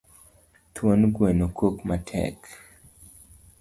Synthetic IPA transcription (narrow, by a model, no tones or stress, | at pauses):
twonɡwenokʰokmatʰɛ̰k